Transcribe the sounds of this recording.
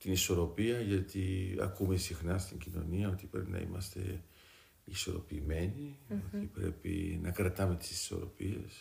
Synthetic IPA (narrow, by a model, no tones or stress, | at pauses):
t̪iniso̞ɾo̞piɐʝɐt̪iɐ̰kume̞sixnɐst̪iɲɟino̞̰niɐo̞t̪ipɾe̞pinɐ̰ḭmɐst̪e̞̰ | iso̞ɾo̞̰pime̞niot̪ipɾe̞pḭnɐkɾɐt̪ɐme̞t̪i̥si̥so̞̰ɾo̞̰pie̞̰s